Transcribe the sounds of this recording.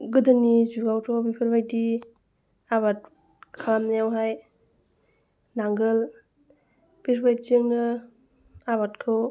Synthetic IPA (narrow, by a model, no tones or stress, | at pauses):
ɡɯdɯnizuɾɡawtʰɔbipʰɯɾbajdi | aβat̚ | kʰalamnajawɦaj | naŋɡɯl | b̥iɾbajt͡ʃɯŋnɯ | aβatkʰɔ